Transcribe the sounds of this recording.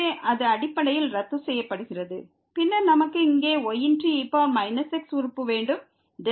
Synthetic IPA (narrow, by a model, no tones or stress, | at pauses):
eːʔɐðɯɐɽɪpːɐɽɐjɪlɾɐt̪ːɯsɛjːɐpːɐɽɯɣɪrɐðɯ | pɪnːɐɾnɐmɐkːɯɪŋɡeːɔjɪndriɪpːoːmɐɪnɐsɛksʊɾɯpːɯʋeːɳɖɯm | ɖɛ